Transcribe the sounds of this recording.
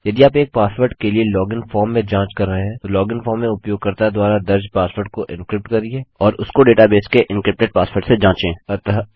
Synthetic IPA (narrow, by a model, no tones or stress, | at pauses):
jɐd̪iaːpeːk̚paːsʋəɾʈkelielɔːɡɪ̃nfɔːɾmːẽd͡ʒãːt͡ʃkɐɾːɐɦẽɦɛ̃t̪olɔːɡɪ̃nfɔːɾmːẽʊpjoːɡ̚kɐɾt̪ad̪ʊwaːɾad̪ɐɾd͡ʒpaːsʋəɾʈkoʔɪ̃nkɾɪp̚ʈkɐɾiɦɛːɔːɾʊskoɖeːʈabeːskeʔɪ̃nkɾɪp̚ʈeɖ̚paːsʋəɾʈsed͡ʒãːt͡ʃẽːɐt̪aː